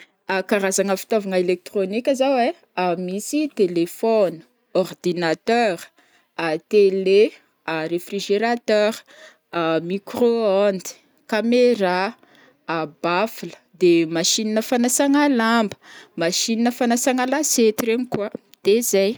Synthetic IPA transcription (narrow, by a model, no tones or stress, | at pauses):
akaɾazaŋəfi̥t̪ovaŋəelek̚t̪ronikʲəzawe | amisit̪elefɔni̥ | ɔrd̪inat̪œɾ | at̪ele | arefriʒeɾat̪œɾ | amikroand̪i̥ | kameɾa | bafulə̥ | d̪emaʃininəfanasaŋalambə̥maʃininəfanasaŋalaset̪iɾemikuə | d̪̥ezaj